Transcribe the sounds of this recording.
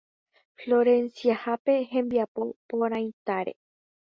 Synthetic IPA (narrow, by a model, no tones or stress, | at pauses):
flo̞ɾẽ̞nsiahape̞hẽ̞mbiapo̞põɾ̃ãj̃t̪aɾe̞̰